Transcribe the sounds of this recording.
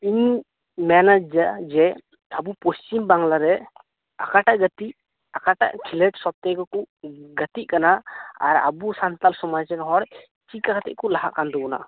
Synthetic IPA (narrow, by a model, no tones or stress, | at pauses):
iɲ | mɛnad͡ʒad͡ʒɛ | abupost͡ʃimbaŋlaɾɛ | akaʈaʔɡət̪iʔ | akaʈa̰ʔkʰilɛʈsɔp̚t̪ɛɡɔkuʔɡət̪iʔ̚kanaaɾa̰busant̪alsɔmad͡ʒɛnɦɔɾ | t͡ʃikakʰat̪ɛ̰ʔkɔlaɦa̰ʔkand̪ɔbɔna̰